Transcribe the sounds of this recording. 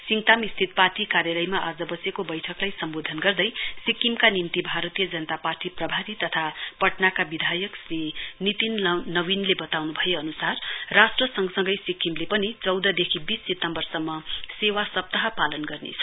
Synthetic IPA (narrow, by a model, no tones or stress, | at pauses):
siŋt̪amist̪ʰit̪̚paʈikaɾjalʌjmaʔad͡zʌbʌsjekobʌjʈʰʌklajsʌmbod̪ʱʌnɡʌrd̪ʌjsikːimkanimt̪ibʱaɾʌt̪ijʌd͡zʌnʌt̪aparʈiprʌbʱaɾit̪ʌt̪ʰapʌʈnakabid̪ʱajʌksrinit̪inːʌwinlebʌt̪awnubʱʌjeʌnusarːasʈrʌsʌŋɡsʌŋɡʌjsikːimlepʌnit͡sʌwd̪ʌd̪ekʰibisːet̪ʌmbʌrsʌmːʌsewasʌp̚t̪aɦʌpalʌnɡʌrnḛt͡sʰʌ̥